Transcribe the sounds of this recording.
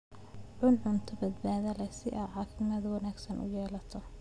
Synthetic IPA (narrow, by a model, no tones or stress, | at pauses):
ʕʊnʕʊnt̪ʰɔbɐd̪̚baːðɐlɛsɪʔaːʕaːkɪmɐðwɑnaːɡsɐnʔʊ̰jɛːlɐt̪ʰɔ